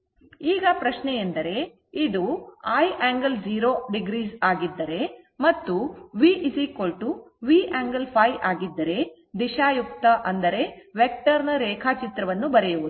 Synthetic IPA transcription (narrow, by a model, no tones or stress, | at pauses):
iːɡɐpɾɐʃnɛjend̪ɐɾe̞ | id̪uaːjʔaːŋɡɐld͡ʒiːɾoːɖiɡɾiːsaːɡid̪ːɐɾe̞ | mɐt̪ːuʋiːʔisikolʈu | ʋiːʔaːŋɡɐlpʰɐjaːɡid̪ːɐɾe̞ | d̪iʃaːjuk̚t̪ɐʔɐnd̪ɐɾe̞ʋek̚ʈɐɾnɐɾɛːkʰaːt͡ʃit̪ɾɐʋɐnːubɐɾejuʋud̪u